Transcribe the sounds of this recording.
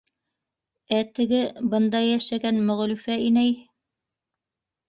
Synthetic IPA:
æt̪ɘ̆ɡɘbɤ̆nd̪ɑjæʃæɡænmɵ̆ʁ̆lʉfæinæj

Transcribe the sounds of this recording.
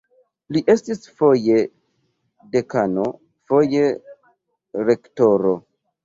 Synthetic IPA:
liʔe̞stisfo̞je | de̞kano̞ | fo̞je̞ | ɾe̞ktoɾo

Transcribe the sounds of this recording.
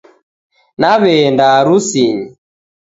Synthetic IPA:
naβɛndaɾusiɲi

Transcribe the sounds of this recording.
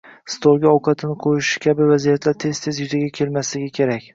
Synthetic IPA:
st̪olɡʲaɒwqʰɑt̪ʰɪnɪqʰojɪʃɪ̥kʲʰabɪvazijat̪ʰlaɾt̪ʰe̞z̥t̪ʰe̞zjʊzɪɡʲakʲʰe̞lmaslɪɡʲakʲʰe̞ɾakʲ

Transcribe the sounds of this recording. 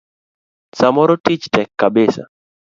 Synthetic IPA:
samɔɾɔtit͡ʃtɛkːabɪsa̰

